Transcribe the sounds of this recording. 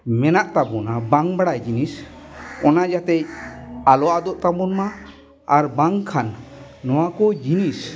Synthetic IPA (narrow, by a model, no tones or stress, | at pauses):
mɛnaʔt̪abunabaŋbaɽajd͡ʒinisɔnad͡ʒat̪ɛc̚alɔad̪ɔʔt̪amunma | aɾbaŋkʰanːɔwakɔd͡ʒinis